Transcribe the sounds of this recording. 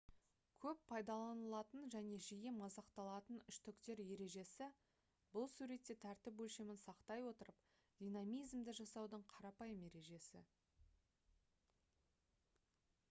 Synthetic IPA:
kʲʰɵpːʰɑjd̪ɑlˠɑnəlˠɑt̪ənʒæne̞ʒijemɑzɑqt̪ɑlˠɑt̪ənʏʃt̪ʏkt̪e̞ɾje̞ɾe̞ʒe̞sɪ | bʊlˠsuɾe̞t̪ːet̪ʰæɾt̪ɪpwɵlʃe̞mɪnsɑqt̪ɑjwo̞t̪əɾəp | d̪̥ʲijnɑmijzmd̪ɪʒɑsɑwd̪əɴqʰɑɾɑpɑjəmje̞ɾe̞ʒe̞sɪ̰

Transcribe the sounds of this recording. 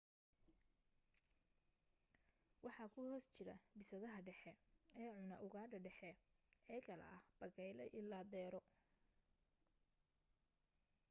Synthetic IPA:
wɑħɑːkʰʊhɔːst͡ʃɪɾɐ̰bɪsɐðɐɦɐɖɛħɛɛːʕʊnɐʔʊɣaːdɐɖɛħɛɛːkʰɐlɐ̰ɐhb̥ɐɣɛjlɛ̰ʔɪlaːd̪ɛːɾɔ

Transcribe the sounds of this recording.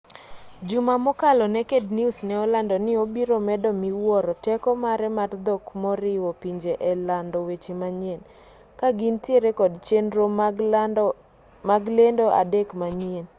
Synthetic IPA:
d͡ʒʊmamɔkalɔnɛkedniusnɛɔlandɔnɪobiɾomɛdɔmiwɔɾɔtɛkɔmaɾɛmard̪ɔkmɔɾɪwɔpiɲd͡ʒeʔɛlandɔwet͡ʃemaɲjen | kaɡintjeɾekɔdt͡ʃenɾo | maɡlendoʔa̰dekmaɲien

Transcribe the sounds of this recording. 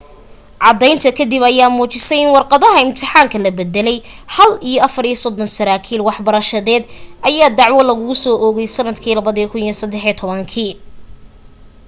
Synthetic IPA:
ʕɑd̪ɛjnt̪ʰɐkʰɐd̪ibɐjaːmuːt͡ʃɪsɛjɪnwɑrqɑðɐɦɐɪmt̪ʰɪħaːŋkʰɐlɐbɛd̪ɛlɛjhɐlijɔɐfɐɾiːsɔd̪ɔnsɐɾaːkʰiːlwɑħbɐɾɐʃɐðɛːd̪ʔɐjaːd̪ɑʕwɔlɐɣʊɣʊsɔːʔɔɣɛjsɐnɐd̪kʰiːlɐβɐðikʰʊnjɔsɐd̪ɛħit̪ʰɔβɐŋkʰiː

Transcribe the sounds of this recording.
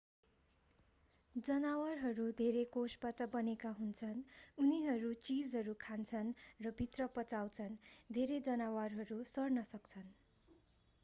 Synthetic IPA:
d͡zʌnawʌrɦʌɾud̪ʱeɾekosbaʈʌbʌnekaɦunt͡sʰʌnuniɦʌɾut͡sid͡zɦʌɾukʰant͡sʰʌnrʌbʱit̪rʌpʌt͡saw̃t͡sʰʌnd̪ʱeɾed͡zʌnawarɦʌɾusʌrnʌsʌkt͡sʰʌn

